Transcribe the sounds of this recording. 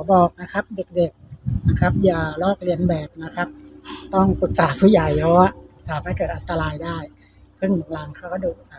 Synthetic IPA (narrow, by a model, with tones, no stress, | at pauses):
kɔ˨˦bɔː˨˩k̚na˦˧kʰa˦˥p̚de˨˩k̚de˨˩k̚na˦˧˥kʰa˦˥p̚jaː˨˧˩lɔː˥˩k̚li˧ənbɛː˨˩p̚na˦˥kʰa˦˥p̚t̪ɔ˥˩ŋpɯ˨˩k̚saː˨˦pʰɯ˧˥˩jaː˨˩jlɔː˧˦sʰaː˨˦pʰa˧˦jkɤː˨˩t̪̚ʔa˨˧nt̪a˧laː˧jdaː˥˩j | kʰɯ˧˥˩ŋmu˨˩˦ŋlaː˨˦ŋkʰaː˧˩kaː˧˥˩duː˨˩ʔsa˨˧˩